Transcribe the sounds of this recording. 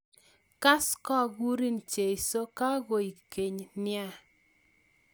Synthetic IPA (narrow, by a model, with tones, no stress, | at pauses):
ka˦skɔ˦˨ɡu˦ɾi˦nt͡ʃe˨i˨so˦ka˦ɡo˨i˨ke˨ɲnɪ˦a˦